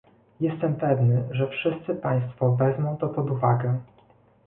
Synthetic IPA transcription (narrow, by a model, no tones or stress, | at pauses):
jɛst̪ɛmpɛvnɘʐɛfʂɘst̪sɘpaj̃st̪fɔvɛzmɔ̃w̃t̪ɔpɔd̪uvaɡɛ